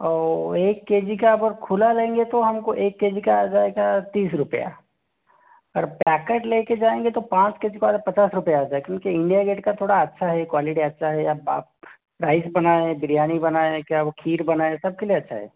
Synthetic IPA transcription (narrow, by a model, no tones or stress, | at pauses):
ɔːeːkːeːd͡ʒikaɐbəɾkʰulalẽːŋɡet̪oɦɐmkoʔeːkːeːd͡ʒikad͡ʒaːeɡat̪iːsɾʊpəja̰ | ɐɡəɾpɛːkeʈleːked͡ʒaːẽŋɡet̪opãːt͡ʃkeːd͡ʒikoaːd̪pɐt͡ʃaːsɾʊpjaːd͡ʒaːekjõːkiɪ̃ɳɖijaɡeːʈkat̪ʰoːɽaɐtːʃʰaɦɛkwaːlɪʈiɐtːʃʰaɦɛjaba̰ | ɾaːɪsbɐnaːẽbɪɾjaːnibɐnaːẽkjaʋokʰiːɾbɐnaːesɐb̚kelieɐtːʃʰaɦɛ̰ː